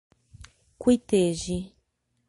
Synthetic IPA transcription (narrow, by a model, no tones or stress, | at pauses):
kwit̪eʒi